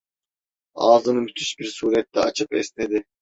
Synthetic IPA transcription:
ɑːzɯnɯmyt̪ʰyʃbiɾsuːɾet̪ːɛɑ̰t͡ʃʰɯpesned̪ɪ

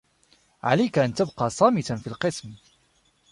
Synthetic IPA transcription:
ʕa̰lajkaʔant̪abqɑːsˤɑːmɪt̪anfiːlqɨsm

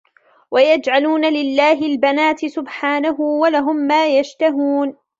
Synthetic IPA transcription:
wajad͡ʒʕaluːnalɪlːaːɦɪlbanaːt̪ɪsʊbħaːnaɦʊwalaɦʊmːaːjaʃt̪aɦuːn

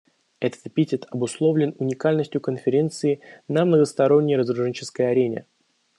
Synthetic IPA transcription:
ɛt̪ə̥t̪pʲitʲɪt̪ɐbʊslˠo̞vlʲɪnʊnʲɪkalʲnəsʲtʲjʊkənfʲɪɾʲe̞nt̪sɨɪnəmnəɡəst̪ɐɾo̞nʲːɪjrəzrʊʐɛnʲt͡ɕɪ̥skəjɐɾʲenʲɪ̰

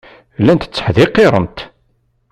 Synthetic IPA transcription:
lːænt̪ə̥t͡sːə̥ħðɪqːeɾˤə̰nt̪

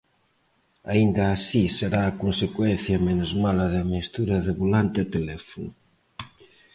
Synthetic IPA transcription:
aind̪ɐːsiseɾaːkonsekwɛnθjɐmenʊzmalɐðamist̪uɾɐðɪβolant̪ɪt̪elɛfonʊ

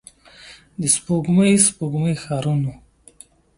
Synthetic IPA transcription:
d̪ispoɡməjspoɡməjxaːɾunu

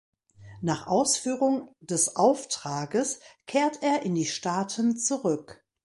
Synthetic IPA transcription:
naːχʔaʊsfyːʁʊŋd̥ɛsʔaʊftʁ̥aːɡəskʰeːɐteːɐʔɪndiːʃtaːtʰənt͡suʁʏk

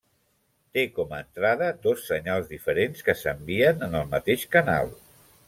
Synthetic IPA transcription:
t̪ekɔməənt̪ɾaðəd̪ɔsːəɲalˠzðifəɾenskəsəmbiənənəlˠmət̪eʃkəna̰lˠ

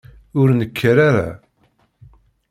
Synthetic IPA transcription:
ʊɾnəkːəɾaɾa̰

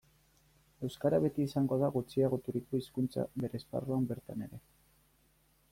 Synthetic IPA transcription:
e̞wskaɾaβ̞e̞t̪iːsaŋɡo̞ðaɣut͡siaɣ̞o̞t̪uɾiko̞iskunt͡sa̰βe̞ɾespa̰roambe̞ɾt̪ane̞ɾe̞

